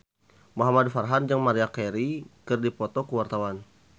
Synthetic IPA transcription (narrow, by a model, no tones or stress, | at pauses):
moɦamadfarɦand͡ʒaŋmaɾiakɛɾikɨrdipɔt̪ɔkəwart̪awan